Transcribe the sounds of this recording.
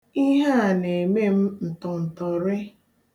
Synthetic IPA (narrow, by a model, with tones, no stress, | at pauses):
i˦ɦa˦a˨ne˨me˦m̩˦n̩˨tɔ˨n̩˨tɔ˨ɾɪ˦